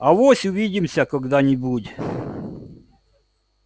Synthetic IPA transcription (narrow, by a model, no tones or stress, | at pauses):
ɐʋɔsʲʊʋʲidʲɪmsʲɐkɔɡd̪ɑnʲibudʲ